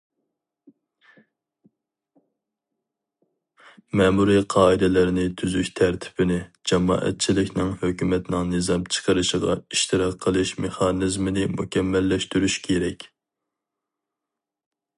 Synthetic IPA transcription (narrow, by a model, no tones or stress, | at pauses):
mɛmuɾiqʰɑːɨd̪ɛlɪɾɪnɪt̪ʰyzyʃʲt̪ʰæɾt̪ʰɪ̥bɪnɪd͡ʒɑmɑ̰ːʔɛ̰t̪̚t͡ʃʰilɪkʲnɪŋhøkʲymɛt̪nɪŋnɨzɑmt͡ʃʰə̥qəɾɨʃəʁɑ̰iʃt̪ɨɾɑqʰːəlˠɨʃmeχɑnɨzmɪnɪmṵkʲɛmːɛlːɛʃt̪yɾyʃkʲʰeɾɛkʲ